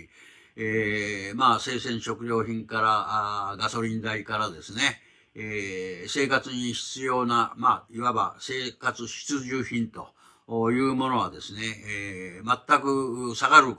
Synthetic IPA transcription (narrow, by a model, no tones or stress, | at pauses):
emaːse̞ːsẽ̞ɰ̃ɕo̞kɯ̟ɾʲo̞ːçĩŋkaɾaɡaso̞ɾʲĩnd̪aikaɾad̪e̞sɨne̞ | se̞ːkat͡sɨɲ̟içi̥t͡sɨjo̞ːnamaːiβaba̰se̞ːkat͡sɨɕi̥t͡sɨʑɨːçĩnt̪o̞ | jɯ̟ːmo̞no̞β̞ad̪e̞sɨne̞ | mat̪ːakɯ̟saɡaɾɯ̟